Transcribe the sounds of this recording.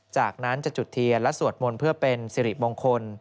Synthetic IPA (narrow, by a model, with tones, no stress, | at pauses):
t͡ɕaː˨˩k̚na˦˥nt͡ɕa˨˩t͡ɕu˨˩t̪ʰːi˧ɐlɛ˦˥su˨˩ət̪̚mu˧npʰɯ˥˩ɐpe˧nsiː˨˧ɾi˨˩moː˧ŋkʰo˧n